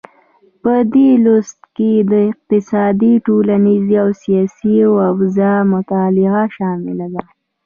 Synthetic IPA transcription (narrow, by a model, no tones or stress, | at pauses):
pəd̪elʊst̪ked̪əɪq̚t̪ɪsɑd̪iʈolaniziawsijɑsiawafzamʊt̪ɑlɪɣaʃɑmɪ̰lad̪a